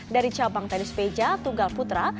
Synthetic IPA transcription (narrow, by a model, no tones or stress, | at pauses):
daɾit͡ʃabaŋt̪ɛnisped͡ʒat̪uŋɡalput̪ɾa